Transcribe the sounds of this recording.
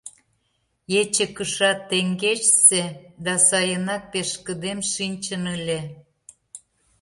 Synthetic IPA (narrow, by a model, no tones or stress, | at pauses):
jet͡ɕĕkəʃɑt̪ːeŋɡeʃsed̪ɑsɑjənɑk̚peʃkəd̪emʃinʲt͡ɕənəlʲe